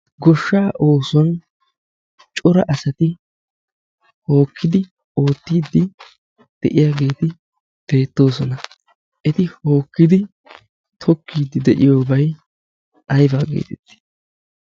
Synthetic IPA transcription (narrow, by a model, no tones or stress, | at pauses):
ɡɔʃːaːʔo̞ːsɔn | t͡ʃʼʊɾɐ̰ʔɐsɐt̪ɪ | ho̞ːkːɪd̪ɪ | o̞ːt̪ːiːd̪ːɪ | d̪̥ɛʔɪjaːɡe̞ːt̪ɪ | b̥e̞ːt̪ːo̞ːsɔnɐ | ʔɛt̪ɪho̞ːkːɪd̪ɪ | t̪ʰɔkːiːd̪ːɪd̪ɛʔɪjo̞ːbɐj | ɐjbaːɡḛːt̪ɛt̪ːɪ̥